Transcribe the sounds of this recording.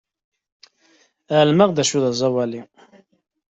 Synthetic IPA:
aʕlməʁðæʃuðæzˤɑwæli

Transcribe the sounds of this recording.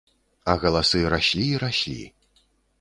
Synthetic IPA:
ɐɣɐlˠasɨɾaɕʲlʲiːɾaɕʲlʲḭ

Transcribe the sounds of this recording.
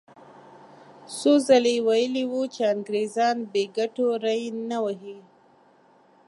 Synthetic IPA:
sozalewajəliwut͡ʃeaŋɡɾezɑnbeɡaʈoɾajnawaɦi

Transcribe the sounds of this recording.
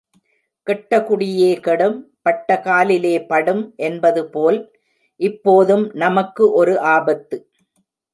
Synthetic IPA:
kɛʈːɐkʊɽɪjeːkɛɽɯm | pɐʈːɐkaːlɪleːpɐɽɯmʔɛnbɐðɯpoːl | ʔɪpːoːðɯmnɐmɐkːɯʔɔɾɯʔaːbɐt̪ːɯ

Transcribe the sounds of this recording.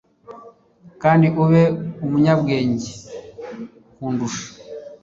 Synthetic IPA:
kaːndiʔuβeumuɲabɡeːɲɟe | kuːnduʃḁ

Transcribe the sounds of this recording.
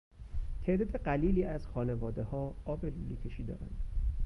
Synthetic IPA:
t̪ʰeʔd̪ɒːd̪e̞ɢæliːliːʔæz̥xɒːne̞vɒːd̪e̞hɒːɒːbe̞luːliːcʰeʃiːd̪ɒ̰ːɾæ̰nd̪̥

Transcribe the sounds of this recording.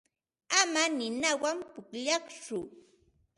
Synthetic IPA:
amanɪnawampʊkʎɑχt͡ʃʊ

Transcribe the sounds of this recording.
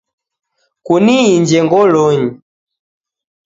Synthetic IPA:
kuniiɲd͡ʒɛŋɡɔlɔɲi

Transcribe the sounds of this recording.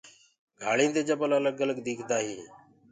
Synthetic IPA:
ɡʱaːɭĩːd̪eːd͡ʒəbələləɡələɡd̪iːkʰd̪aːɦiː

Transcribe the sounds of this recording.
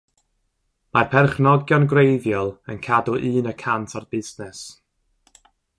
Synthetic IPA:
marpʰɛrχnɔɡjɔnɡrejðjɔlˠənkʰadɔʔɨːnəkʰantʰɔrb̥ɪznɛs

